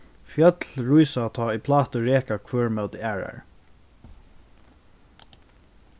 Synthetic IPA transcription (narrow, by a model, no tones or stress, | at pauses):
fjœt̪lɹujsat̪ʰɑːipʰlaːt̪əɹɛːkakʰvœːɹmœt̪æːɹa̰ɹ